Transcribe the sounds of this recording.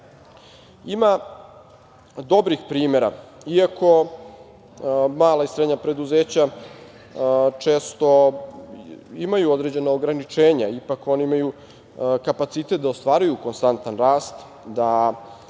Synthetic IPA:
ima | d̪o̞bɾixpɾiːmeɾa̰ | iakʰo̞ | maːlaisɾed̪ɲapɾe̞d̪uzeːt͡ɕa | t͡ʂeːst̪o̞ | imajuo̞d̪ɾe̞d͡ʑe̞naoɡɾanit͡ʂeːɲaipako̞niimaju | kapat̪sit̪et̪̚d̪aost̪ʋaːɾujuko̞nst̪ant̪anɾaːst̪ | d̪a

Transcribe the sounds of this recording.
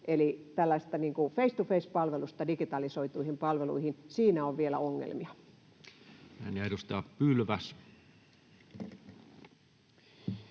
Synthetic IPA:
ʔelit̪ælːæist̪ɑniːŋkufeist̪ufeispɑlʋelust̪ɑdikit̪ɑlisoit̪uihimpɑlʋelṵihinsiːnæoʋʋielæ̰oŋːḛlmiɑ | næ̰ˑnedust̪ɑːppylʋæs

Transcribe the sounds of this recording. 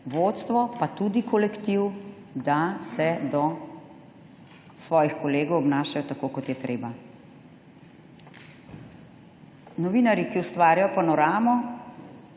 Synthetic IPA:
ʋoːt̪st̪ʋɔpat̪ud̪ikɔlɛkt̪iw | d̪asɛd̪ɔ | sʋɔːjixkɔleːɡɔwɔbnaːʃajɔt̪akokɔt̪jɛt̪ɾeːba | nɔʋiːnaɾjikiust̪ʋaːɾʲjajɔpanɔɾaːmɔ

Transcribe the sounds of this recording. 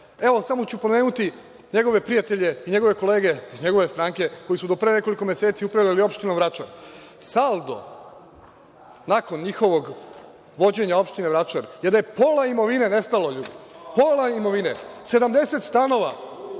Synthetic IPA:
e̞ʋo̞samo̞t͡ɕupo̞ne̞ːnut̪i | ɲe̞ɡo̞ʋe̞pɾijat̪eʎeiɲe̞ɡo̞ʋe̞ko̞le̞ːɡe̞izɲe̞ɡo̞ʋest̪ɾaːŋke̞ko̞jisud̪o̞pɾene̞ko̞liko̞mjese̞ːt̪siupɾaʋlelio̞pʃt̪inoʋɾat͡ʃaɾ | salˠd̪o̞̰ | nako̞nɲixo̞ʋo̞ɡ | ʋo̞d͡ʑe̞ɲao̞pʃt̪ineʋɾat͡ʃaɾjed̪ajepo̞ːlˠaimo̞ʋinene̞st̪aloʎud̪poːlaimo̞ʋinese̞d̪amd̪e̞se̞t̪st̪ano̞ʋa̰

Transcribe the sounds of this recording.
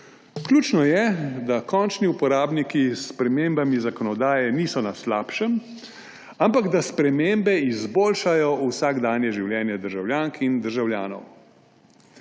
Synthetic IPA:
kljuːt͡ʃnɔjɛd̪akɔnt͡ʃniupɔɾaːbnikisːpɾɛmembamizakɔnɔd̪aːjɛniːsɔnaslaːpʃɛm | ampaɡd̪aspɾɛmembɛizboːlʃajɔusaːɡd̪aːnjɛʒiwljɛːnjɛd̪əɾʒawljaːŋkʰind̪əɾʒawljaːnɔ̰w

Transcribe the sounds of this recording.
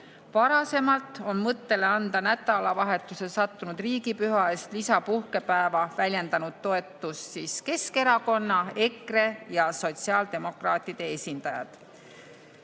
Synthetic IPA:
vɑɾɑse̞mɑlt̪ˑo̞nmɤt̪ːe̞le̞ɑnd̪̥ɑnæt̪ːˑɑlɑvɑɦe̞t̪ːˑuse̞sɑt̪ːunud̪̥riːɡipyɦɑest̪lisɑpuhke̞pæevɑvælʲje̞nd̪ɑnud̪̥̚t̪o̞e̞t̪ːˑusːiːske̞ske̞ɾɑko̞nːɑe̞kre̞jɑso̞t̪siɑːld̪̥e̞mo̞krɑːt̪ːˑid̪̥e̞esʲind̪̥ɑjɑ̰d̪̥

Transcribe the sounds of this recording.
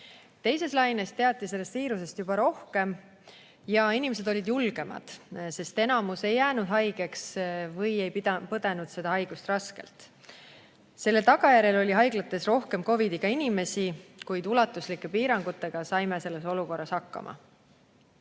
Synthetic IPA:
t̪e̞jse̞slɑjne̞st̪e̞ɑt̪ːˑise̞lːe̞st̪viːɾuse̞st̪jub̥ɑɾo̞hke̞m | jɑinime̞s̬e̞d̪o̞lʲid̪̥julɡ̥e̞mɑ̰d̪̥se̞st̪e̞nɑmuse̞jːæːnud̪̥ɦɑjɡ̥e̞ksvɤje̞jpid̪ɑpɤd̪̥e̞nud̪̥se̞d̪ɑhɑjɡ̥ust̪rɑske̞̰lt̪ˑ | se̞lːe̞lt̪ɑɡ̥ɑjæɾe̞lo̞lʲiɦɑjɡ̥lɑt̪ˑːe̞sro̞hke̞mko̞vid̪iɡ̥ɑinime̞sikujd̪̥ulɑt̪ːˑuslikːˑe̞piːɾɑŋɡ̥ut̪ːˑe̞ɡ̥ɑsɑjme̞se̞lːe̞so̞luko̞rːɑshɑkːɑ̰mʔɑ̰

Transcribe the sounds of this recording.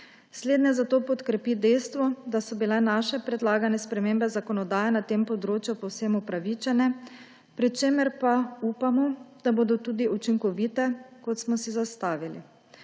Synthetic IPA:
sleːd̪nɛzat̪oːpɔt̪kɾɛpid̪ɛjst̪ʋɔd̪asɔbilɛnaːʃɛpɾɛd̪laːɡanɛspɾɛmeːmbɛzakɔnɔd̪aːjɛnat̪empɔd̪ɾoːt͡ʃjupɔwsemupɾaʋit͡ʃɛnɛ | pɾit͡ʃeːməɾpauːpamɔd̪̥aboːd̪ɔt̪uːd̪iut͡ʃiŋkɔʋiːt̪ɛkɔt̪smɔsizast̪aːʋilḭ

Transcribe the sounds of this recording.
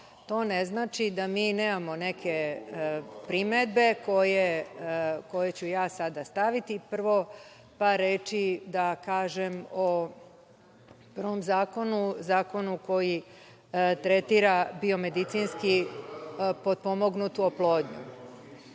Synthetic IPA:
t̪o̞ːneznaːt͡ʃid̪amiːneːmamo̞ne̞kʰe | pɾimed̪̚be̞ko̞je | ko̞je̞t͡ɕujaːsad̪ast̪aʋit̪ipr̩ʋo̞ | paɾːeːt͡ʃid̪akaːʒemo | prʋo̞mzaːko̞nuzaːko̞nuko̞ji | t̪ɾet̪iɾabio̞me̞d̪it̪sinski | po̞d̪̚po̞mo̞ɡnut̪uoplˠo̞ːd̪ɲṵ

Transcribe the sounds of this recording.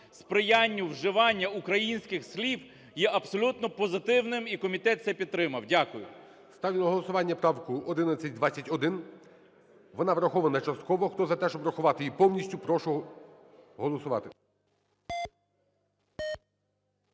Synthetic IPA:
spɾɪjanʲːʊwʒɪʋɑnʲːɐukɾɐjinʲsʲkɪxslʲiw | jɛʔɐbsɔlʲut̪nɔpɔzɪt̪ɪwnɪmikɔmʲit̪ɛt̪t̪sɛpʲid̪̚t̪ɾɪmɐwdʲakʊjʊ̰ | st̪ɑʋʲlʲɪnɔɦɔlˠɔsʊʋɑnʲːɐpɾɑwkʊɔd̪ɪnɐt͡sʲɐtʲd̪ʋat͡sʲːɐtʲɔd̪ɪn | ʋɔnɑʋɾɐxɔʋɐnɐt͡ʃɐst̪̚kɔʋɔxt̪ɔzɐt̪ɛʃt͡ʃɔbɾɐxʊʋɑt̪ɪjipɔwnʲisʲtʲʊpɾɔʃʊ | ɦɔlˠɔsʊʋɑ̰t̪ɪ

